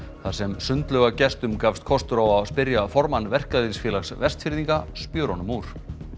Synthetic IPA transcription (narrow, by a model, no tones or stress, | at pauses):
θaðsɛmsʏnt̪lœːɣacɛst̪ʏmkaːfst̪kʰɔst̪ʏɾawawspɪɾjafɔɾmanːvɛr̥kaðisfjɛːlaxsvɛr̥st̪fɪɾðiŋkaspjœːɾɔnʏmuɾ̥